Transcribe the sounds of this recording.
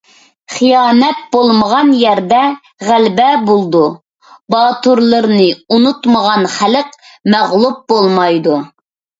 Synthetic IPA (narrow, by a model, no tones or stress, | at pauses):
χijɑːnɛt̪̚bolˠməʁɑnjɛɾd̪ɛ | ʁælbɛbolˠd̪u | bɑːt̪uɾlˠɨɾnɨunut̪məʁɑnχæləq̚ | mæʁlˠup̚bolˠmɑjd̪u